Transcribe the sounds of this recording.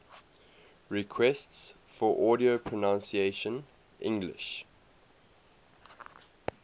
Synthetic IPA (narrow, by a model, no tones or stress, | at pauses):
ɹɪkʰwɛsts | fɔʔɔːɾiopʰɹənãnsieʃə̃n | ʔɪ̰̃ŋɡlɪ̰ʃ